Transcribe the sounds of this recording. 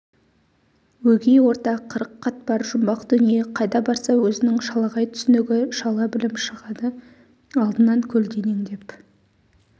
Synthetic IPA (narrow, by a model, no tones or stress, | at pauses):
wɵɡʲejwo̞ɾt̪ɑqʰːəɾəqʰːɑt̪̚bɑɾʒʊmbɑqd̪̥ʏnijeqʰɑjd̪ɑbɑɾsɑwɵzɪnɪŋʃɑlˠɑʁɑjt̪ʰʏ̥sɪnɪɡʲɪʃɑlˠɑbɪlɪmʃəʁɑd̪ə | ɑlˠd̪ənɑŋkʲʰɵld̪ʲe̞neŋd̪e̞p